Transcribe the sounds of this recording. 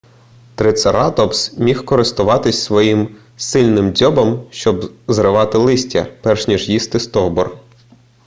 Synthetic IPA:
t̪ɾɪt̪sɐɾɑt̪ɔpsmʲixkɔɾɪst̪ʊʋɑt̪ɪsʲsʋɔjim | sɪlʲnɪmdʲɔbɐmʃt͡ʃɔbzɾɪʋɑt̪ɪlˠɪsʲtʲɐ̰pɛrʃnʲiʒjist̪ɪst̪ɔɦbɔr

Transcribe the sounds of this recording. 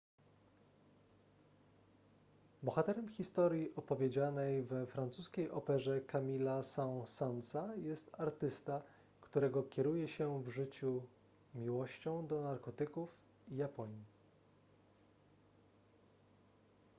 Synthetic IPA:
bɔxat̪ɛɾɛmxʲist̪ɔɾʲjiʔɔpɔvʲed͡ʑanɛjvɛfɾant̪suskʲejʔɔpɛʐɛkamʲilasaw̃sant̪sajɛst̪aɾt̪ɘst̪a | kt̪uɾɛɡɔkʲɛɾujɛɕɛvʐɘt͡ɕu | mʲiwɔɕt͡ɕɔ̃w̃d̪ɔnaɾkɔt̪ɘkuf | ijapɔɲi

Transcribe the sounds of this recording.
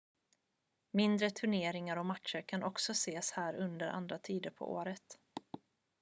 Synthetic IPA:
mɪnd̪ɾət̪ʰɵɳeːɾɪŋaɾɔmat̪ʂəɾkʰanʔɔksɔseːshæːɾɵnd̪əɾʔa̰nd̪ɾat̪ʰiːd̪əɾpʰɔ̰ʔo̰ːɾət̪

